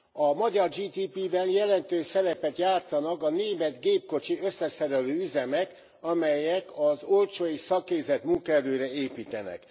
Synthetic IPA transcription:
ɒmɒɟɒrd͡ʒiːt̪iːpibɛnjɛlɛnt̪øːʃsɛɾɛpɛt̪jaːt̪sɒnɒkɒneːmɛd̪ɡeːp̚ko̞t͡ʃiøsːɛsɛɾɛløːyzɛmɛk | ɒmɛjɛkɒzolt͡ʃoːjisɒkːeːzɛt̪muŋkɔɛɾøːɾɛeːpiːt̪ɛnɛ̰k

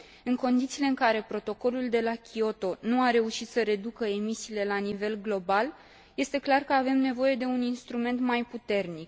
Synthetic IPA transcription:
ɨŋko̞nd̪it̪siːle̞ɨŋkaɾe̞pɾo̞t̪o̞ko̞luld̪e̞lakʲʰio̞t̪o̞nuaɾe̞uʃit̪səɾe̞d̪ukəe̞misiːle̞lanive̞lɡlo̞bal | je̞st̪e̞klarkəave̞mne̞vo̞je̞d̪e̞uninst̪ɾume̞nt̪majput̪e̞rnik

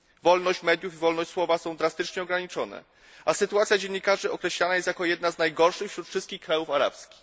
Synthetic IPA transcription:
vɔlnɔɕt͡ɕmɛd̪jufivɔlnɔɕt͡ɕʲswɔvasɔ̃w̃d̪ɾast̪ɘt͡ʂɲɛɔɡɾaɲit͡ʂɔnɛ̰ | asɘt̪uwat̪sʲjad͡ʑeɲːikaʐɘɔkɾɛɕlanajɛst̪jakɔjɛd̪naznajɡɔɾʂɘxfɕɾut̪fʂɘst̪̚kʲixkɾajufaɾa̰pskʲi̥x

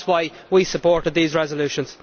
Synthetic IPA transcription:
zwaɪ | wisəpɔːɹɾɨd̪̚ðiːzɹɛzəlʉʃə̃nz̥

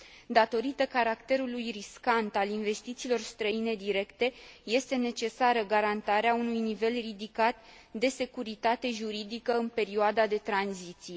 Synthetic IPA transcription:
d̪at̪o̞ɾit̪əkaɾakt̪e̞ɾulujriskant̪alinve̞st̪it̪siːlo̞rst̪ɾəine̞d̪iɾe̞kt̪e̞je̞st̪e̞ne̞t͡ʃe̞saɾəɡaɾant̪aɾeaunujnive̞lrid̪ikat̪ | d̪e̞se̞kuɾit̪at̪e̞ʒuɾid̪ikəɨnpe̞ɾioad̪ad̪e̞t̪ɾanzit̪sije

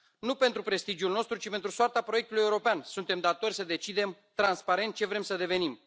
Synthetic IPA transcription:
nupe̞nt̪ɾupɾe̞st̪id͡ʒiulno̞st̪ɾut͡ʃipe̞nt̪ɾusoart̪apɾoe̞k̚t̪uluje̞uɾo̞peansunt̪e̞md̪at̪o̞rʲsəd̪e̞t͡ʃid̪e̞mt̪ɾanspaɾe̞nt̪̚t͡ʃe̞vɾe̞msəd̪e̞ve̞nim

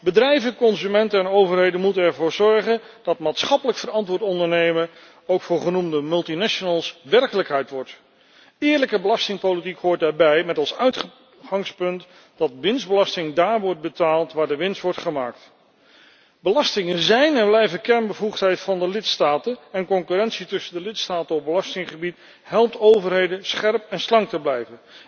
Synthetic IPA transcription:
bədrɛjvənkɔnzymɛntəɛnowvəɹɦejdənmutənɛɹvʊːɹzɔɹχən | dɑtmaːtsχɑpələkfərɑntʋʊːɹtɔndəɹnejmən | owkfʊːɹχənumdəmɵlˠtinaʃonəlˠsʋɛrkələkɦɛjtʋɔɹt | ɪːɹləkəbəlɑstɪŋpolitikɦoːɹt̚daːɹbɛjmɛtɔlˠsœɥtχ | χɑŋspɵnt | d̥ɑtʋɪnszdbəlɑstɪŋdaːɹʋɔɹt̚bətaːlˠtʋaːɹdəʋɪnstʋɔɹtχəma̰ːk̚t | bəlɑstɪŋənzɛjnɛblɛjvəkɛɹnbəvuχtɦɛjtfɑndəlɪtstaːtənɛnkɔŋkyrɛnsitɵsəndəlɪtstaːtənɔp̚bəlɑstɪŋχəbit | ɦɛlˠp̚towvəɹɦejdənsχɛɹpɛnslɑŋtəblɛjvən

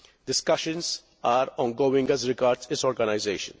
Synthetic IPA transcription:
dɪskʌʃə̃ns | aːɾɔ̃ːnɡoːɪ̃ŋɡæzɾɪɡaːɾɖsɪsɔːɾɡanaɪzeːʃə̰̃n

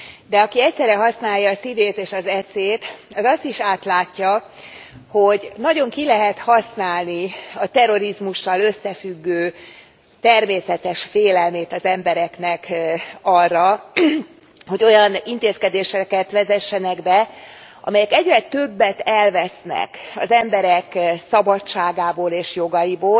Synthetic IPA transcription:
d̪ɛɒkiɛcʲsɛrɛɦɒsnaːjːɒːsid̪eːt̪eːʃɒzɛseːt̪ɛzɒst̪iʃaːt̪laːcːɒ | ho̞ɟnɒɟo̞ŋkilɛɦɛt̪hɒsnaːlniɒt̪ɛɾo̞ɾizmuʃːɒlø̞sːɛfyɡːøː | t̪ɛrmeːsɛt̪ɛʃfeːlɛlmeːt̪ɒzɛmbɛɾɛknɛkɒrːɒ | ho̞ɟo̞jɒnint̪eːskɛd̪eːʃɛkɛt̪ʋɛzɛʃːɛnɛɡbɛ | ʔɒ̰mɛjɛkɛɟrɛt̪ø̞bːɛt̪ɛlvɛsnɛ̰kɒ̰zɛmbɛɾɛksɒbɒt͡ʃːaːɡaːboːleːʃjo̞ɡɒjiboːl

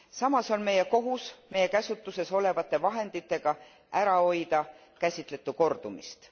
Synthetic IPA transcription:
sɑmɑso̞nme̞je̞ko̞ɦusme̞jːe̞kæsut̪ːˑuse̞so̞le̞vɑt̪ːˑe̞vɑɦe̞nd̪̥it̪ːˑe̞ɡ̥ɑ | æɾɑo̞jd̪̥ɑ | kæsʲit̪ˑle̞t̪ːˑuko̞rd̪̥umḭst̪

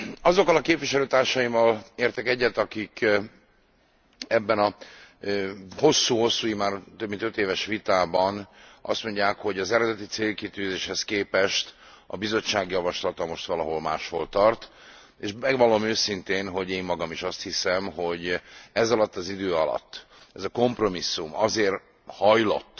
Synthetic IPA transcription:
ɒzo̞kːɒlɒkeːpviʃɛløːt̪aːrʃɒjimɒleːrt̪ɛkɛɟːɛt̪ɒkik | ɛbːɛnɒ | ho̞sːuːho̞sːuːimaːrt̪øbmint̪øt̪eːvɛʃʋit̪aːbɒnʔɒ̰st̪mo̞ɲɟːaːkho̞ɟɒzɛɾɛd̪ɛt̪it̪seːlkit̪yːzeːʃhɛskeːpɛʃt̪ | ɒ̰bizo̞t͡ʃːaːɡjɒvɒʃlɒt̪ɒmo̞ʃt̪ʋɒlɒɦo̞lmaːʃho̞lt̪ɒrt̪ | eːʃmɛɡvɒlːomøːsint̪eːnɦo̞ɟeːmːɒɡɒmiʃɒst̪hisɛmɦo̞ɟɛzɒlɒt̪ːɒzid̪øːɒlɒ̰t̪ː | ɛzɒko̞mpro̞misːumɒzeːr | hɒjlo̞̰t̪ː

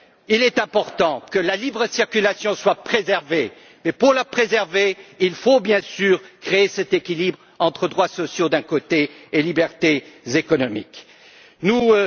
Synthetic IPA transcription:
ilɛt̪ɛ̃pɔʁt̪ɑ̃kəlalibʁəsiʁkʲylasjɔ̃swapχezɛʁve | mɛpuʁlapχezɛʁveilfobjɛ̃syːʁkχeesɛt̪ekʲilibʁ | ɑ̃t̪χəd̪ʁwasɔsjod̪ɛ̃kot̪eelibɛʁt̪ezekɔnɔmḭk | nu

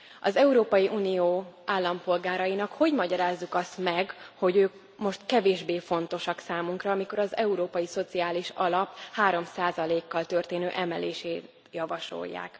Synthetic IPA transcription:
ɒzɛuɾoːpɒjiʔuːnijoːʔaːlːɒmpo̞lɡaːɾɒjinɒkho̞ɟmɒɟɒɾaːzːukɒst̪mɛɡho̞ɟøːk | mo̞ʃt̪kɛveːʒbeːfo̞nt̪o̞ʃɒksaːmuŋkrɒːmiko̞ɾɒzɛuɾoːpɒjiso̞t̪siaːliʃɒ̰lɒphaːɾo̞msaːzɒleːkːɒlt̪ø̞rt̪eːnøːʔɛmɛlḛːʃeːt̪ | jɒvɒʃo̞̰jːa̰ːk

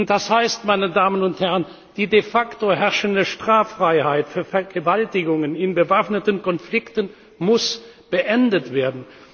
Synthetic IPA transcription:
nd̥ashaɪstmaɪnədaːmənʊnthɛʁən | d̥iːdefaktoɦɛɐʃəndəʃtʁ̥aːfʁ̥aɪhaɪtfyːɐfɛɐɡəvaltɪɡʊŋənɪnbəvafnətənkɔnflɪktən | mʊsb̥əʔɛndətv̥eːɐdn̩

